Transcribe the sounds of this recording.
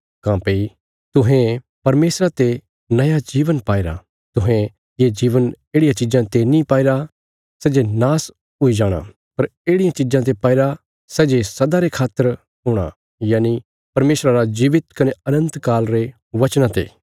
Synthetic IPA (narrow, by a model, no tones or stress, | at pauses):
kãːpei | t̪ʊɦẽ | pɐɾmeːsɾat̪e | nɐjad͡ʒiːʋənpaːɪɾa̰ | t̪ʊɦẽ | jed͡ʒiːʋəneːɽɪjãt͡ʃɪd͡ʒãt̪enĩpaːɪɾa | sɛːd͡ʒenaːs | ɦʊid͡ʒaːɽ̃a̰ | pɐɾeːɽɪjãt͡ʃɪd͡ʒãt̪̬epaːɪɾa | sɛːd͡ʒesɐd̪aɾekʰaːt̪ːəɾ | ɦʊɽ̃a̰ | jaːni | pɐɾmeːsɾaɾad͡ʒiːʋɪt̪kɐneɐnə̃nt̪kaːlɾe | ʋɐt͡ʃnãt̪ḛː